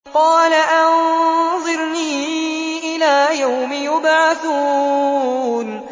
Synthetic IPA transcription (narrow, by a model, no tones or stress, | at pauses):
qɑːlaʔannðˤɨɾniːʔɪlaːjawmɪjʊbʕaθuː | n